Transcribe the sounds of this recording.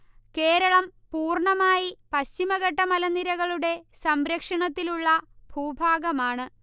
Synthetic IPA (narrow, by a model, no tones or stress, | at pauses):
ke̞ːɾɐɭɐmpuːrɳɐmaːjipɐɕimɐɣɐʈːɐmɐlɐnːiɾɐɣɐɭuɽe̞sɐmɾɐkʂɐɳɐt̪ːiluɭːɐb̥ʱuːbʱaːɡɐmaːɳɨ